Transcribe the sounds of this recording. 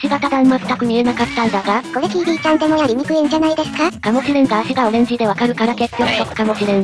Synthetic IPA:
ɕiɡat̪ad̪ãmmasɨ̥t̪ːakɯ̟mʲie̞nakat̪ːãnd̪aɡako̞ɾekʲiːɾʲiːt͡ɕãnd̪e̞mojaɾʲim̟ʲikɯ̟ẽɲ̟d͡ʑanaid̪e̞sɨ̥kakamo̞ɕʲiɾẽŋɡaːɕiɡao̞ɾẽ̞ɲ̟d͡ʑid̪e̞βakaɾɯ̟kaɾake̞kʲːjokɯ̥t̪o̞kɯ̟̥kamo̞ɕiɾẽɰ̃

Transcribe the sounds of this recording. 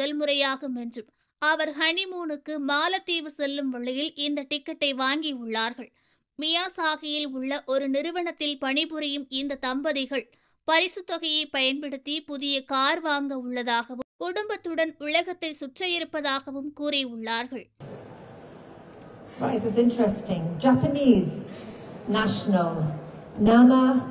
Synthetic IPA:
ɐlmʊɾɐjaːɣɐmɛndrɯm | ɐʋɐɾhɐɳɪmuːnɯkːɯmaːlɐt̪ːiːʋɯsɛlːɯmʋɐɭːɪjɪlɪnd̪ɐʈɪkːɐʈːɐɪʋaːŋɡiʊɭːaːɾɣɐɭ | mɪjaːsaːɣɪjɪlʊɭːɐʔɔɾɯnɪɾɯʋɐɳɐt̪ːɪlpɐɳɪbɯɾɐjɯmɪnd̪ɐt̪ɐmbɐðɪɣɐɭ | pɐɾɪsɯt̪ːʋɐɣɐjɐɪpɐjɐnpɛɽɯt̪ːipʊðɪjɐkaːɾʋaːŋɡɐʊɭːɐðaːɣɐʋɯmkʊɽʊmbɐt̪ːɯɽɐnʊɭɐɣɐt̪ːɐɪsʊʈrɐjɪɾɯpːɐðaːɣɐʋɯmkuːɾɪʊɭːaːɾɣɐɭ | ɹaɪtɪzɪ̃ntɹɛstɪ̃ŋd͡ʒæpəniz | næʃnəlˠ | namə

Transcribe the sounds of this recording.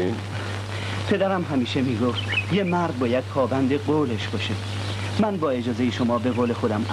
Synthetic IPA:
pʰe̞d̪æɾæmɦæmiːʃe̞miːɡoft̪jemæɾd̪̚bɒːjæd̪̥̚pʰɒːbænd̪e̞ɡoːleʃb̥ɒːʃe | mænbɒːe̞d͡ʒɒːzejeʃomɒːbe̞ɣoːle̞xo̞d̪æmʔ

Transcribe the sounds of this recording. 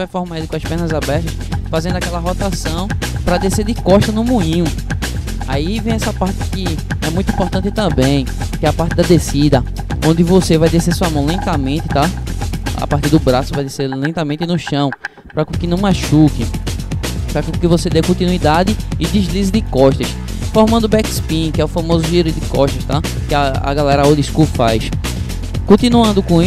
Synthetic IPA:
vajfɔɦmãd̪ukõɐspɛhnɐzabɛht̪ɐsfazẽd̪ʊakɛlɐɦɔt̪asɐ̃w̃pɾɐd̪esed̪ɪkɔʃt̪ɐnʊmũĩ | aivẽj̃ɛsɐpaɾt̪ɪkɪɛmũjt̪uĩpɔɾt̪ɐ̃nt̪ɪt̪ɐ̃bẽj̃ | kɛɐpaɾt̪ɪd̪ɐd̪esid̪ɐ | õnd̪ɪvosevajd̪esesuɐmɐ̃w̃lẽt̪ɐmẽt̪ɪ̥t̪a | a̰paht̪iɾd̪ʊbɾasʊvajd̪eseɾlẽt̪ɐmẽnt̪ɪnʊʃɐ̃w̃ | pɾɐkɪnɐ̃w̃maʃukɪ | pɾɐkkɪvosed̪ekõnt̪ĩnuid̪ad̪ɪɪd̪izlizɪd̪ɪkɔʃt̪ɐs | foɾmɐ̃nd̪ʊbɛkspĩkɪɛʊfɐ̃mozʊʒiɾʊd̪ɪkɔʃt̪ɐʃt̪akɪaa̰ɡalɛɾɐaoliskufajs | kõt̪ĩnuɐ̃nd̪ʊkõi

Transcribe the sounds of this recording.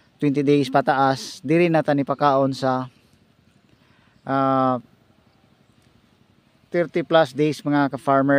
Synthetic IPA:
t̪wɛnt̪ɪd̪ejspɐt̪aʔasd̪ɪɾɪnat̪anɪpɐkaːʔonsɐ | ʔa | t̪ɛɾt̪ɪplasd̪ejsmɐŋakɐfaɹmɛ

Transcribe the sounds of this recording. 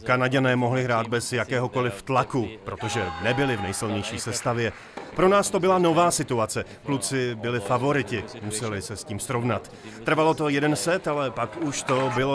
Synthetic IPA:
kanaɟanɛːmo̞ɦlɪɦɾaːd̪̚bɛzjakɛːɦo̞ko̞lɪft̪lakupɾo̞t̪o̞ʒɛnɛbɪlɪvnɛjsɪlɲɛjʃiːsɛst̪avjɛ | pɾo̞naːst̪o̞bɪlano̞vaːsɪt̪uat͡sɛ | klut͡sɪbɪlɪfavo̞ɾɪcɪmusɛlɪsɛsciːmsɾo̞vnat̪ | t̪r̩valo̞t̪o̞jɛdɛnsɛt̪alɛpakuʃt̪o̞bɪlo

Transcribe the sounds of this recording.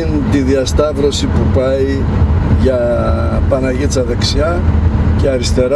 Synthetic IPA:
int̪iðiɐst̪ɐvɾo̞sipupɐi | ʝɐ | pɐnɐʝit͡sɐðeksiɐceɐɾist̪e̞ɾ

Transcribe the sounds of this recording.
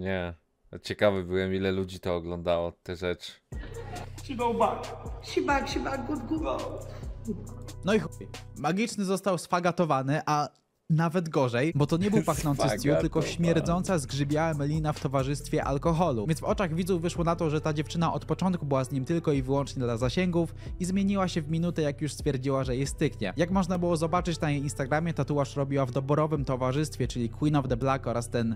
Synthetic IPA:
ɲɛ | t͡ɕɛkavɛbɘwɛmʲilɛlud͡ʑit̪ɔːɡlɔnd̪awɔt̪ɛʐɛt͡ʂ | ɕiɡɔwbakɕibakɕibaɡ̚bud̪ɡuɡɔw | nɔixmaɡʲit͡ʂnɘzɔst̪awsfaɡat̪ɔvanɘʔa | navɛd̪ɡɔʐɛjbɔt̪ɔɲɛbɘwpaxnɔnt̪sɨst̪jut̪ɘlkɔɕmʲjɛɾd̪zɔnt̪sazɡʐɘbʲjawamɛlʲinaft̪ɔvaʐɘst̪fʲjɛʔa̰lkɔxɔlṵvʲjɛnvɔt͡ʂaɣvʲid̪zuvɘʂwɔnat̪ɔʐɛt̪ad͡ʑɛft͡ʂɘnaʔɔt̪pɔt͡ʂɔnt̪̚kubɘwazɲimt̪ɘlkɔivɘwɔnt͡ʂɲɛd̪lazaɕɛŋɡufizmʲjeɲiwaɕɛvmʲinut̪ɛjakjuʂst̪fʲjɛɾd͡ʑiwaʐɛjɛst̪ɘkɲɛ̰jakmɔʐnabɘwɔzɔbat͡ʂɘt͡ɕnajejinst̪aɡɾamʲjɛt̪at̪uwaʂɾɔbʲiwavd̪ɔbɔɾɔvɘmt̪ɔvaʐɘst̪fʲjɛt͡ʂɘlʲikwinɔvd̪ɛblakɔɾast̪ɛn

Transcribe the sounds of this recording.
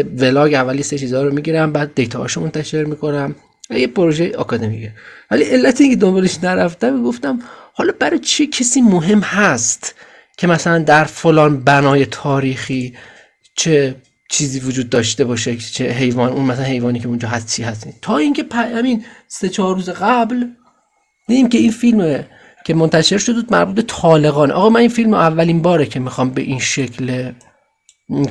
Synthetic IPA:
ve̞lɒːɡævːæljeset͡ʃʰiːzɒːɾomiːɟiːɾæmbæːd̪̚ːe̞jt̪ʰɒːhɒ̰ːʃomo̞nt̪ʰæʃe̞ɾmiːko̞næm | væjepʰoɾoʒejeɒ̰kʰɒd̪e̞mḭcʰevæliʔe̞lːæt̪ʰeiːŋcʰʲe̞d̪o̞mbɒːleʃnæɾæfd̪æmiɡo̞ft̪æmhɒːlɒːbæɾɒt͡ʃʰecʰesiːmoɦe̞mhæst̪ | cʲʰe̞mæsælænd̪æɾfolɒːnbænɒːje̞t̪ʰɒːɾiːxiː | t͡ʃʰe | t͡ʃʰiːziːvod͡ʒuːd̪̚ːɒːʃt̪e̞bɒːʃet͡ʃʰeɦe̞jvɒːnunmæsalænhe̞jvɒːniːcʰeund͡ʒɒːɦæst̪t͡ʃʰiːɦæst̪id̪t̪ʰɒːiːŋcʰe̞pʰæhæminse̞t͡ʃʰɒːɾːuːzeɣæbl | d̪iːd̪iːmcʰe̞infilme | cʰe̞mont̪ʰæʃe̞ɾʃo̞d̪buːd̪̚mæ̰ɾbuːt̪̚be̞t̪ʰɒːle̞ɣɒːneʔɒ̰ɣɒːmæninfilmʔævːæliːnbɒːɾecʰe̞mixɒːmbe̞̰ʔinʃe̞kʰle

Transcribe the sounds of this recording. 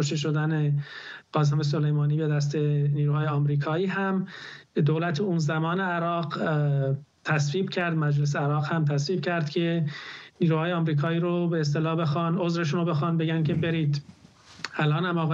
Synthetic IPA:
koʃt̪eʃod̪æneɢ̥ɒːzemes̬o̞lejmɒːniːbe̞d̪æst̪eniːɾuːhɒːjeɒːmɾiːkʰɒːiːɦæmd̪oːlæt̪ʰeuːnzæmɒːne̞æɾɒːɢ | t̪ʰæsviːbcʰæɾd̪mæd͡ʒles̬eæɾɒːɣhæmt̪ʰæsviːb̥̚cʰæɾd̪̥cʰe̞niːɾuːhɒːjeɒːmɾiːkʰɒːiːɾobeːs̬t̪e̞lɒːhbe̞xɒːnozɾe̞ʃunobe̞xɑːnbe̞ɟænkʰe̞beɾiːd̪ | ælʔɒːnæmɒːɣ

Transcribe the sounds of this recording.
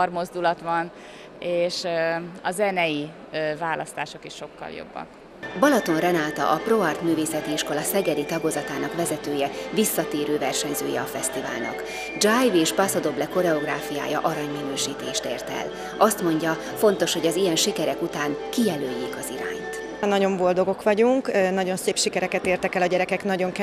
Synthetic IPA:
rmo̞zd̪ulɒt̪ʋɒn | eːʃɒzɛnɛji | vaːlʔɒst̪aːʃo̞kiʃːo̞kːɒ̰ljo̰bːɒ̰k | bɒlɒt̪o̞nrɛnaːt̪ɒ̰ʔɒproɒrt̪myːveːsɛt̪iiʃko̞lɒsɛɡɛd̪it̪ɒɡozɒt̪aːnɒkʋɛzɛt̪øːjɛvisːɒt̪eːɾøːvɛrʃɛɲzøːjɛ̰ɒfɛst̪iva̰ːlnɒ̰k | d͡ʒaːjveːʃpɒsod̪o̞blɛko̞ɾɛo̞ɡraːfija̰ːjɒ̰ʔɒɾɒɲmɛnøːʃiːt̪eːʃt̪ḛːrt̪ɛ̰l | ʔɒst̪mo̞ɲɟɒ | fo̞nt̪o̞ʃhoɟɒzijɛnʃikɛɾɛkut̪aːŋkijɛløːjːeːkɒziɾa̰ːɲt̪ | nɒɟo̞mbo̞ld̪o̞ɡo̞kʋɒɟuŋknɒɟo̞nseːpʃikɛɾɛkɛt̪eːrt̪ɛkɛlɒɟɛɾɛkɛknɒɟo̞ŋk

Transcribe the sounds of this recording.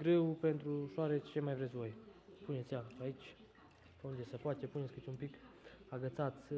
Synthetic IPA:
ɡɾewpe̞nt̪ɾuʃoaɾe̞t͡ʃemajvɾesʲvo̞jpunet̪sʲjaait͡ʃʲ | pəund̪e̞səpoat̪epune̞t̪sʲkɨt̪ʲumpikaɡət̪sat̪sʲ

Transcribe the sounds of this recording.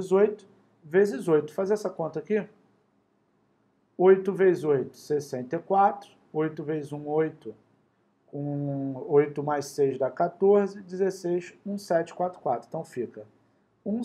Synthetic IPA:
zojt̪ʊ̥ | vezɪzojt̪ʊ̥fazɛsɐkõnt̪ɐaki | ojt̪ʊvejzojt̪ʊ̥sesẽnt̪ekwat̪ɾʊ | ojt̪ʊvejzũojt̪ʊ | kõojt̪ʊmajʃsejzd̪ɐkat̪oɾzɪd͡ʒɪzesejsũsɛt͡ʃɪ̥kwat̪ɾʊ̥kwat̪ɾ̃ẽt̪ɐ̃w̃fikɐ | ũ

